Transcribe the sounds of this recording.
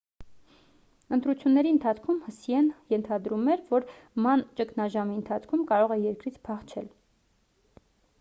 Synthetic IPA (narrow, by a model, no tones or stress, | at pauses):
ənt̪ɾut͡sʰjunːɛɾiənt̪ʰɑt͡sʰkʰumhəsiɛnjɛnt̪ʰɑd̪ɾumɛɾvɔɾmɑnt͡ʃəkʰnɑʒɑmiənt̪ʰɑt͡sʰkʰumkɑɾɔʁɛjɛɾkɾit͡sʰpʰɑχt͡ʃʰɛl